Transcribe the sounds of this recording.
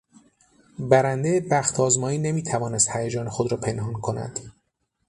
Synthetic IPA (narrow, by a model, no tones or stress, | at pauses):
bæɾænd̪ejebæxt̪ʰɒːzmɒːiːne̞miːt̪ʰævɒːnest̪hæjæd͡ʒɒːnexod̪ɾɒːpʰe̞nhɒnkʰo̞næ̰d̪̥